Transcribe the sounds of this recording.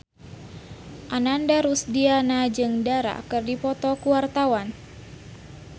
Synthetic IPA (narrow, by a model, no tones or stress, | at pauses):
ʔanandaɾusdianad͡ʒɨŋdaɾa̰kɨrdipɔt̪ɔkuwart̪awan